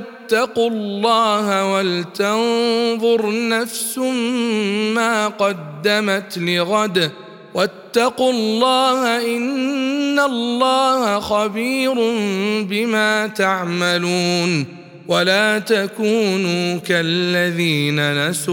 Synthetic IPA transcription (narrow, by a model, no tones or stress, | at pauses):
at̪ːɑqʊlːɑːhawalt̪aɑnðˤʊɾnafsʊmmaːqɑd̪ːamat̪lɪɣad̪a | wat̪ːɑqʊllːɑːhaʔɪnːalːɑːhaxɑbiːɾʊmbɪmaːt̪aʕmaluːn | walaːt̪akuːnuːkalːaðiːnanas